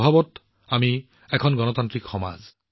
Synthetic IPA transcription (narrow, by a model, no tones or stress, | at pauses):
bʱabɔt | ami | ɛkʰɔnɡɔnɔt̪ant̪ɹikxɔma̰z